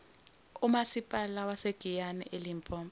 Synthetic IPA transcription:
umasipʼalawaseɡ̥ʱijanɛ̰ʔelimpʼɔːmb

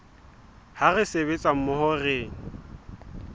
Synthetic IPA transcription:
harɪsebet͡sʼam̩mʊhɔreːŋ̩

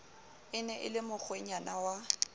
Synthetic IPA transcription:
ɪnɛʔɪ̰lɪmʊk͡xʰweɲanawa

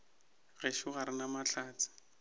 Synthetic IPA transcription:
ɣeʃuɣaɾɪnamat͡ɬʰaːt͡sɪ̥

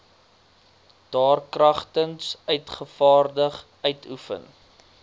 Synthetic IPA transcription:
d̥ɑːrkrɐχtənsœɥtχəfɑːrdəχ | œɥtʰufə̰n

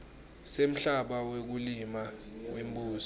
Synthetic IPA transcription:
sem̩ɬaɓawek̬ulimawem̩buːzɔ

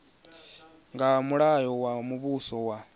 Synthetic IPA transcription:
ŋɡamuɺajɔwamuβusɔwa

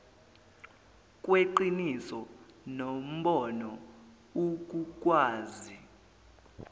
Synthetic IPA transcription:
k̬ʼweǃinisɔnom̩ɓɔnɔ | uk̬ʼuk̬ʼwaːzi

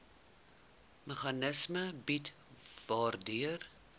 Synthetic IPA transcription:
məχɐnəsməbit | vɑːrdyər

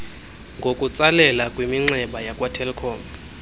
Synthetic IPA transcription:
ŋɡʱokʼut͡sʼalɛlakʼwimiŋ͡ǀɛɓajakʼwatʰɛlkʰɔːm

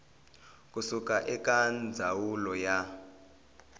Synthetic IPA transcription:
kʼusukʼaʔɛkʼand͡zʱawulɔja

